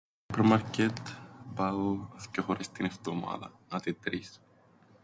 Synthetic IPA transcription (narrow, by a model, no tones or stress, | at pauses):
pɾmaɾcet̪baθcoxoɾʔest̪ineft̪oma̰ðɐ̰ | ɐt̪it̪ɾis